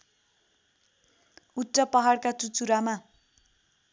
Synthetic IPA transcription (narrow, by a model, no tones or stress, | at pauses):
uʈːrʌpʌɦaɽkat͡sut͡suɾama